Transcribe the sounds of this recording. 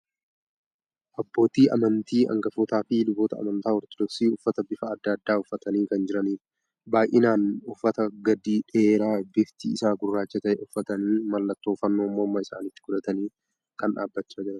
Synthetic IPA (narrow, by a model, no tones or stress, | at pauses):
ʔɐbːo̞ːt̪iːʔɐ̰mɐnt̪iːɐ̰ŋɡɐfɔːt̪aːfilʊboːt̪ɐ̰ːmɐnt̪aːɔɾt̪ɔd̪ɔksiːʊfːɐt̪ɐbɪfɐɐd̪ːɐːɐd̪ːaːʊfːɐt̪ɐniːkɐnd͡ʒɪɾɐniːɾ | baːjʔɪnaːnʊfːɐt̪ɐɡɐd̪iːᶑɛeːɾaːbɪft̪ḭːɪsaːɡʊrːaːt͡ʃːɐt̪ɐʔɛʊfːɐt̪ɐniːmɐlːɐt̪ːo̞ːfɐnːo̞ːmːoːmːɐɪsa̰ːniːt̪ːɪɡʊᶑ̪ɐt̪ɐniː | kɐnᶑa̰ːbːɐt͡ʃːaːd͡ʒɪɾɐn